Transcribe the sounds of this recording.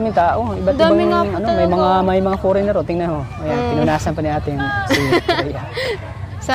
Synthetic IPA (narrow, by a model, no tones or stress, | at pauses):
mɪŋt̪aːʔo̞ɪbɐt̪d̪ɪbbamɪŋɐnomɐjmɐŋamɐjmɐŋafoɾɪnɛɾot̪ɪŋnɐnɦoʔɐjanpɪnʊnaːsɐnpɐnɪʔaːt̪ɪnsija | s